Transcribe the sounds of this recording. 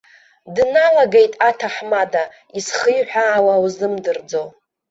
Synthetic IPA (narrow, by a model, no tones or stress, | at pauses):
dnalaɡejtʼatʰaħmada | isχɨjħʷᶣaːwawzɨmdɨrd͡zo̞